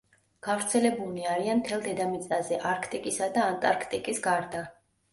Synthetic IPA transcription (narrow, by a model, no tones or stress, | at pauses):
ɡ̥avɾt̪sʰɛlɛbuliaɾianmt̪ʰɛlˠd̪ɛd̪amit̪sʼazɛʔaɾkʰt̪ʼikʼisad̪aːnt̪ʼaɾkʰt̪ʼikʼisɡaɾd̪a